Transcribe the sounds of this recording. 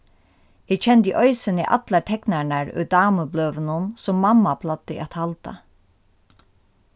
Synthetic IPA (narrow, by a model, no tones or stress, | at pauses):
hiːt͡ʃʰɛnt̪ḭʔœʏsənḭːʔɑ̰t̪latʰɛknæɳəɹʉ̰ːd̪ɑːməblœːʋənənsɔmːɑmːapʰlɑt̪əḭɑt̪hɑlt̪ɑ̰